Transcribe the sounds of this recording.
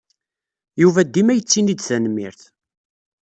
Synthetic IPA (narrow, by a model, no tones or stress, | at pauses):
juvæd̪ːimæjət͡sːinid̪θænmːḭɾθ